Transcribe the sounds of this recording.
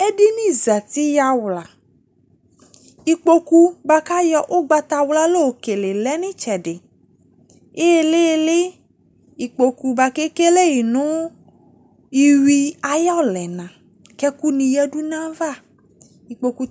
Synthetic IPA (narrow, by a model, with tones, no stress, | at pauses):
e˦di˦nĩ˦za˨t̪i˦ja˦wla˨ | i˨k͡po˧ku˦ba˧ka˦jɔ˧ʔo˦ɡ͡ba˨t̪a˨wla˦lo˦o˨ke˨le˨lɛ˦nĩ˦t͡ʃɛ˨ɖe˨ | e˦e˦le˦˨le˦ | i˨k͡po˨ku˨˧ba˧ke˦ke˦le˦ji˨nũ˦ | i˨wi˧a˨jɔ˦˨lɛ˨nã˨ | kɛ˦ku˦nĩ˨jɛ˦du˦nã˦va˦˨ | i˨k͡po˧ku˦